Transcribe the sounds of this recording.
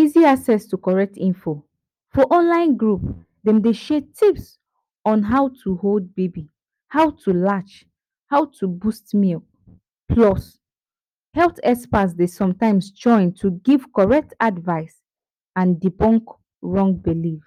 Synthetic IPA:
iziaksɛstukɔɹɛk̚tĩnfo | fɔʔɔ̃nlãɪ̃nɡɹup | dɛ̃mdeʃɛtʰips | ɔ̃nɦaʊtʰuhold̚bebi | haʊtʰulat͡ʃ | haʊtʰubustmil | pʰlɔs | hɛltɛspasdesɔ̃mtãɪ̃mst͡ʃɔ̃ɪ̃ntʰuɡiv̥kɔɹɛk̚tʰadvaɪs | ãndipɔ̃ŋk | ɹɔ̃ŋɡ̚bilif

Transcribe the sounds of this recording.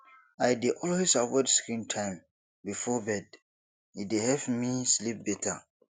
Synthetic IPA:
aɪdeʔɔlhisawɔdskɹĩntʰãɪ̃m | bifɔbɛd | idehɛvmislip̚bɛtʰa

